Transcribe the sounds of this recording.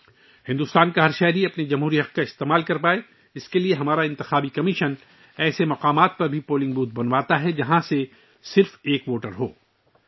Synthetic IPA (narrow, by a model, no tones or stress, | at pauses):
hɪ̃nd̪ʊst̪aːnkaɦɐɾʃɛɦɾiɐpned͡ʒɐmɦuːɾiɦɐq̚kaɪst̪eːmaːlkɐɾpaːe | ɪskelieɦɐmaːɾaɪ̃nt̪ɪxaːbikɐmɪʃən | ɛːsemɐqaːmaːt̪̚pɐɾbʱipoːlɪ̃ŋɡbuːt̪̚bɐnʋaːt̪aɦɛd͡ʒɐɦãse | sɪɾfeːkʋoːʈəɾɦo̰ː